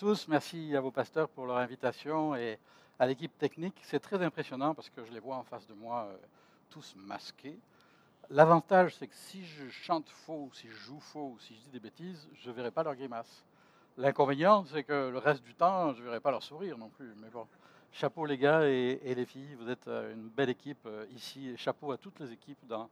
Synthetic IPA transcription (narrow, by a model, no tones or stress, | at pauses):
t̪usmɛʁsiavopast̪œʁpuʁlœʁɛ̃vit̪asjɔ̃e | alek̬ʲip̚t̪ɛkniksɛt̪χɛzɛ̃pχesjɔnɑ̃paʁsə̥kəʒəlevwaɑ̃fasd̪əmwaø̰ | t̪ʰusma̰skʲʰe | lavɑ̃t̪aʒsɛkə̥siʒəʃɑ̃t̪fousiʒəʒufousiʒəd̪id̪ebet̪izʒəvɛʁɛpalœʁɡʁimas | lɛ̃kɔ̃venjɑ̃sɛkələʁɛst̪̚d̪yt̪ɑ̃ʒəvɛʁɛpalœʁsuʁiʁnɔ̃plymɛbɔ̃ | ʃapoleɡaeːlefijvuzɛt̪ø̰y̰nbɛlekʲipøisieʃapoat̪ut̪lezekʲipd̪ɑ̃